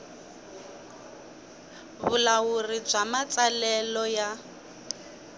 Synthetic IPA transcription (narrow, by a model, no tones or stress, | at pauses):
βʊlawurib͡ʐamat͡salɛlɔja